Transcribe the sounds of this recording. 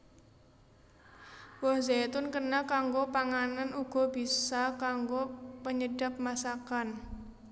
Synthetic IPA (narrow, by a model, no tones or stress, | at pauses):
wɔhzat̪ʊnkənakaŋɡopaŋananuɡ̥ɔ̤bisakaŋɡopəɲəɖap̚masakan